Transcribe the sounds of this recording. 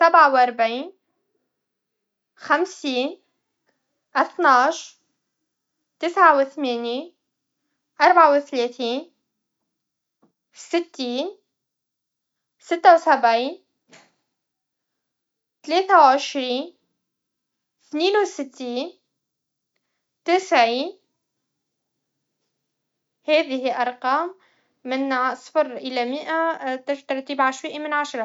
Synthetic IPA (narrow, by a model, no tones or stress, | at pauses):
sabʕawʔɑɾˤbʕiːn | xamsiːn | ʔaθnɑːʃ | t̪ɪsʕawɪθmeːni | ʔɑɾˤbʕawɪt̪leːθiːn | sɪt̪ːiːn | sɪt̪ːawsabʕiːn | t̪aleːθawʕɪʃɾiːn | θniːnwsɪt̪ːiːn | t̪ɪsʕiːn | hæːðɪhiʔɑɾˤqɑːmː | ɪnsˤfɑɾʔɪlamɪʔat̪ɪt̪ɑɾˤt̪iːbʕaʃwiːʔamɪnʕaʃɾˤɑ